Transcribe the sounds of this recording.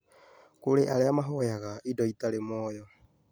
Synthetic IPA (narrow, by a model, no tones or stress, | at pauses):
kuɾeʔaɾeamaɦojaɣaidoitaɾemoːjo